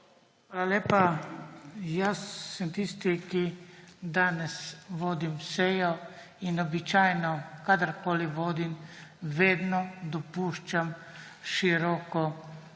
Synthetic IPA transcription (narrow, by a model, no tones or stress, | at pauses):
xʋaːlaleːpa | jasːɛmt̪ist̪ikid̪aːnɛsʋoːd̪imsejɔ | inɔbit͡ʃaːjnɔkad̪əɾkoːliʋoːd̪imʋeːd̪nɔd̪ɔpuːʃt͡ʃamʃiɾɔkɔ